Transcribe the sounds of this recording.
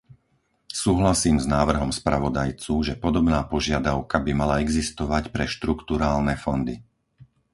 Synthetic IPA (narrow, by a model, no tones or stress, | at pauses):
suːɦlasiːmznaːʋr̩ɦɔmspɾaʋɔd̪ajt͡suːʒɛpɔd̪ɔbnaːpɔʒɪad̪aʊkabimalaɛɡzist̪ɔʋacpɾɛʃt̪ɾukt̪uɾaːlnɛfɔnd̪i